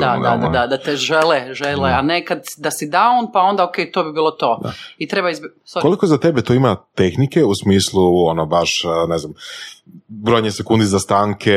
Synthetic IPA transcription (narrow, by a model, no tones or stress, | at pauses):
d̪ad̪ad̪ad̪ad̪at̪eʒeleʒeleanekad̪d̪asid̪aoːnpao̞nd̪aokejt̪obibiːlˠo̞t̪o̞ːa̰it̪ɾe̞baizb | sakolikozat̪ebet̪oimat̪e̞xnike̞usmiːslˠuonobaʃne̞znam | bɾo̞jɲesekund̪izast̪aːŋkʰe